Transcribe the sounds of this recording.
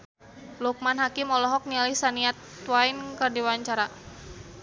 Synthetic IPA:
luk̚manɦakimɔlɔɦɔk̚nialihsaniat̪wainkərdiwaɲt͡ʃaɾa

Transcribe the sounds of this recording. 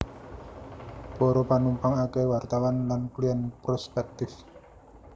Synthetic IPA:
pɔɾɔpanumpaŋakewart̪awanlanklijanpɾɔspɛk̚t̪ɪf

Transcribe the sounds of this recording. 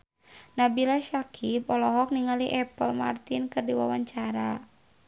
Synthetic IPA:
nabilaʃakʰipɔlɔɦɔk̚niŋaliʔɛpəlma̰rt̪inkɨrdiwawaɲt͡ʃaɾa

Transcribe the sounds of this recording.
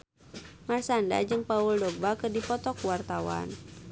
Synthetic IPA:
marsanda̰d͡ʒɨŋpauldɔɡ̚bakɨrdipɔt̪ɔkuwart̪awa̰n

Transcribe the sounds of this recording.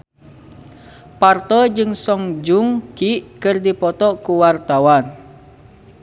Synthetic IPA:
part̪ɔd͡ʒɨŋsɔŋd͡ʒuŋkiʔkɨrdipɔt̪ɔkuwart̪awan

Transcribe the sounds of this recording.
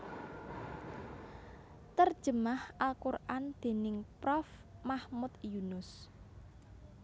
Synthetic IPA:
t̪ərd̥ʒ̥əmahʔalkurʔand̪̥e̤nɪŋpɾɔf | mahmʊt̪junʊs

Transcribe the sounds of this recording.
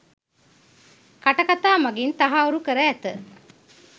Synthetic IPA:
kaʈɐkat̪aːmɐɡint̪aɦauɾukəɾəæt̪ə

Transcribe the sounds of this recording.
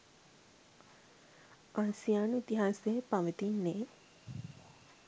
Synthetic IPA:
ʔaːsijaːnuit̪iɦaːsejəpaʋət̪inːeː

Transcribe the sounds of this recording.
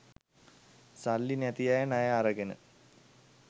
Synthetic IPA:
salːinæt̪ijajənajəaɾɐɡenə̰

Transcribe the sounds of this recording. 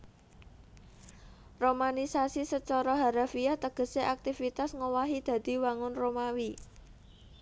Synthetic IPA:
romanisasisət͡ʃɔɾɔɦaɾafiaht̪əɡ̥ə̤seʔak̚t̪ifit̪asŋowaɦid̪̥a̤d̪̥i̤waŋʊnromawi

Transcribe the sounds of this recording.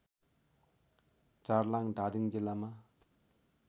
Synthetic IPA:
t͡sarlaŋd̪adiŋd͡ʑəlama

